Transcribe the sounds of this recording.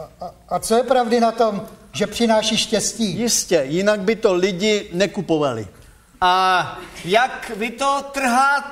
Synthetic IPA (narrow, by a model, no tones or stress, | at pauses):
at͡sojɛpɾavdɪnat̪o̞mʒɛpr̝̥ɪnaːʃiːʃcɛsciːjɪscɛjɪnaɡ̚bɪt̪olɪɟɪnɛkupovalɪ̰ | ʔa | jakvɪt̪ot̪r̩ɦaː